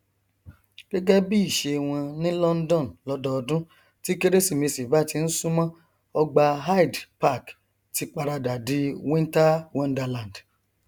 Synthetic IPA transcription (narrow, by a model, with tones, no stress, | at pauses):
ɡ̥ɛ˦ɡɛ˦bi˦i˦˨ʃe˧w̃ɔ̃˧nĩ˦lɔ˦n̩˦dɔ̃˦˨n˨lɔ˦dɔ˧ɔ˧dũ˦ | ti˦ke˦ɾe˦si˦˨mẽ˧si˨ba˦˨ti˧n̩˦sũ˦mã˦ | ɔ˧ɡ͡ba˧ɦa˦i˨dpa˦˨k | ti˨˧k͡pa˧ɾa˧da˨di˨˦wĩ˦n˦ta˦wɔ̃˦˧n˦da˧lã˨n˨d